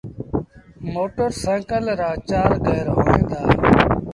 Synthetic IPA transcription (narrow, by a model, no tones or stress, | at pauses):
moːʈəɾsɛ̃ːkəlɾaːt͡ʃaːɾɡəːɾɦoːĩːd̪aː